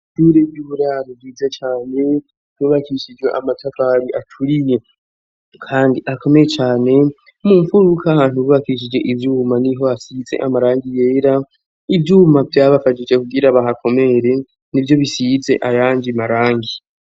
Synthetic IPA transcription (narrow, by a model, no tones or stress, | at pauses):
tuɾebjuhuɾaɾiviːzat͡ʃaːne̞ | βuβakʰiʃid͡ʒɡwe̞̰ʔamatʰafaɾiʔatʰuɾije̞ | kʰaːndiʔakʰo̞mejet͡ʃaːne̞ | muːɱfuɾukʰahaːn̥huβuβakiʃ̬id͡ʒe̞ʔivjumaniɦo̞asid͡ze̞̰ʔamaɾaːŋɡije̞ːɾa | ivjuːmavjaːβafad͡ʒid͡ʒe̞kuɡiɾaβaɦakʰo̞me̞ɾe̞ | nivjo̞βisid͡ze̞̰ʔajaːɲd͡ʒimaɾaːŋɡi